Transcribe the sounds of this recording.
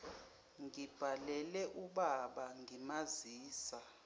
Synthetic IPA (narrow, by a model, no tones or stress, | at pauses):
ŋib̥ʱalɛlɛʔuɓaɓaŋɡʱimaziːsa